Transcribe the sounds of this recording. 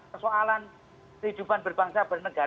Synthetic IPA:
pərsoalan | kəɦid̪̥upanb̥ərb̥aŋsab̥ərnəɡ̥a

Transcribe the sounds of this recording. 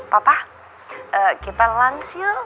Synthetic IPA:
papa | ʔəkit̪alansijo

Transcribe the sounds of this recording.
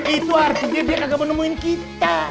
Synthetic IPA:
it̪uart̪id͡ʒadiaʔnaɡaʔmənəmuɪnkit̪a

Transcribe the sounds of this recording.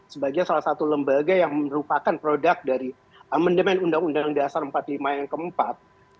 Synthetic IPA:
səbaɡiɲansalahsat̪uləmbaɡajaŋməɾupakanpɾodak̚daɾi | amandəmɛnundaŋundaŋdasaɾəmpat̪limajaŋkəmpat̪̚

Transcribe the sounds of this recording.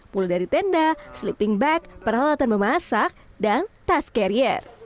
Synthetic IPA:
puludaɾit̪ɛndaslipiŋbɛk̚pərhalat̪anməmasak̚dant̪askaɾiɛ̰r

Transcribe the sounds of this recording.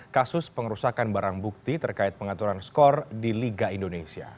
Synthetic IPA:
kasʊspəŋɾusakanbaɾaŋbuk̚t̪it̪ərkaɪt̪̚pəŋat̪uɾanskɔrdiliɡaindonesia̰

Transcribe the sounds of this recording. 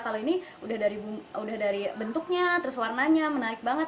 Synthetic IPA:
kaloiniudahdaɾibuudahdaɾibənt̪ʊk̚ɲat̪əɾʊswarnaɲamənaɪk̚baŋət̪̚

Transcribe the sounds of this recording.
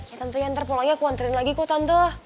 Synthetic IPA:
jat̪ənt̪ujaŋt̪ərpolaŋɲakuant̪əɾɪnlaɡikot̪ant̪o

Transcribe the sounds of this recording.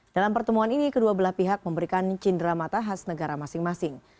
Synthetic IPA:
d̥alampərt̪əmuaninikəduabəlaspiɦak̚məmbəɾikant͡ʃindɾamat̪aɦasnəɡaɾamasɪŋmasɪŋ

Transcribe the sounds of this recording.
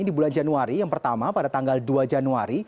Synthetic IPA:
idibuland͡ʒanuaɾijaŋpərt̪amapadat̪aŋɡalduad͡ʒanuaɾi

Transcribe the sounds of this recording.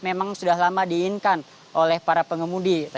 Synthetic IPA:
memaŋsudahlamadiːnkan | ʔolɛhpaɾapəŋəmudit̪

